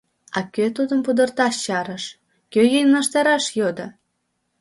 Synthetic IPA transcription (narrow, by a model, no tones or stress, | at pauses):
ɑ̰køt̪ud̪əmpud̪ərt̪ɑʃt͡ɕɑɾəʃ | køjejnəʃt̪ɑɾɑʃjod̪ɤ